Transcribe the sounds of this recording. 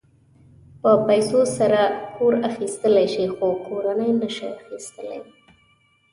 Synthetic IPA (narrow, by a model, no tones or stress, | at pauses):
pəpajsosaɾakʰoɾaxist̪əlajʃixokʰoɾanəjnəʃaaxist̪əlḛj